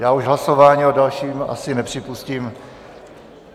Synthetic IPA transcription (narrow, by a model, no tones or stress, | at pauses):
jaːuʒɦlasovaːɲiːodalʃiːma̰sɪnɛpr̝̥ɪpusciːm